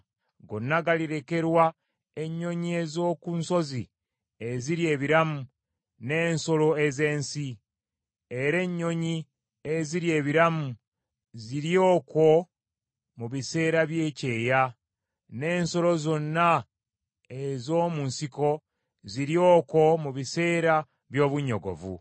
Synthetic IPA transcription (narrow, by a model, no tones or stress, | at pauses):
ɡo̞̰nːaɡaliɾe̞ke̞ɾwa | e̞ɲːo̞ɲie̞zo̞ːkunso̞zi | e̞ziɾie̞ːβiɾamu | ne̞ːnso̞lo̞e̞ze̞ːnsi | e̞ɾe̞ɲːo̞ɲi | eziɾje̞ːβiɾamu | ziɾjo̞ːko̞ | muβise̞ːɾaβje̞ːce̞ːja | ne̞ːnso̞lo̞zo̞nːa | ezo̞ːmunsiko̞ | ziɾjo̞ːko̞muβise̞ːɾa | βjo̞ːβuɲo̞̰ɡo̞̰vṵ